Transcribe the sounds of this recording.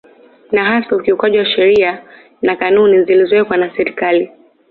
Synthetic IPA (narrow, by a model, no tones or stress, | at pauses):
naɦasaukiukwaʄiwaʃɛɾia | nakanunizilizɔwɛkwanasɛɾikali